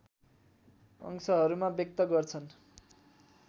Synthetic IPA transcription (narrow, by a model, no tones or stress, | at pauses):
ʌ̰ŋsʌɦʌɾumabjʌk̚t̪ʌɡʌrt͡sʰʌn